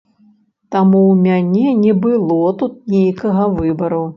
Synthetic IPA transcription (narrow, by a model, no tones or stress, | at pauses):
t̪amuwmʲanʲɛnʲɛbɨlˠɔt̪ut̪̚nʲejkɐɣɐvɨbɐɾu